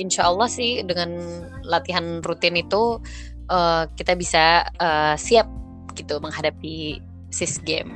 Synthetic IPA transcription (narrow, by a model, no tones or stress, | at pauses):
inʃaʔəlːɑhsɪhdəŋanlat̪iɦanrut̪ɪnit̪u | ʔəkit̪abisaəːsiap̚ | ɡit̪uməŋɦadapi | sɪsɡɛm